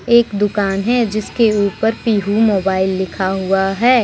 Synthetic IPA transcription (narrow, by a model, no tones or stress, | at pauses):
eːkd̪ʊkaːnɦɛd͡ʒɪskeuːpəɾpiːɦumoːbaːɪlːɪkʰaɦuaɦɛː